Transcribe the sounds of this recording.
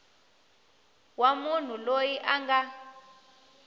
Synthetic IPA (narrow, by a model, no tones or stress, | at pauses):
wamun̤ulojiʔaŋɡa